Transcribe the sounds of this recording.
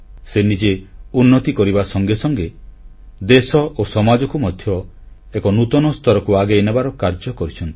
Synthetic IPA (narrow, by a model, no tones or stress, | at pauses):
senid͡ʒeunːɔt̪ikɔɾibasɔŋɡesɔŋɡe | d̪esɔʔosɔmad͡ʒɔkumɔd̪ʱjɔ | ekɔnut̪ɔnɔst̪ʰɔɾɔkuaɡeenebaɾɔkaɾd͡ʒɔkɔɾit͡ʃʰɔnt̪i̥